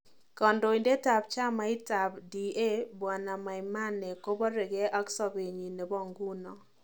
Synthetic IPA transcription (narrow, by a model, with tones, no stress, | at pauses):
kɔ˨ndo˨i˨nde˦ta˨bt͡ʃa˦ma˨˦ɪ˦ta˨bdi˨e˦bwa˨na˨ma˨ɪ˨ma˦nɛ˨ko˦bɔ˦ɾe˨ɡɛ˦ʔa˦ksɔ˦be˨ɲi˨ne˨bɔ˦˨ŋɡu˦nɔ˨